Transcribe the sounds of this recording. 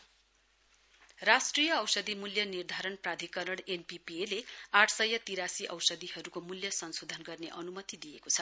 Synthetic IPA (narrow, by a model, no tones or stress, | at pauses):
rasʈrijʌʌwsʌd̪imuljʌnird̪ʱaɾʌnprad̪ʱikʌɾʌɽenpipieleaʈʰsʌjːʌt̪iɾasiʔʌwsʌd̪ihʌɾukomuljʌsʌnsod̪ʱʌnɡʌrneʔʌnumʌt̪id̪ijekot͡sʰʌ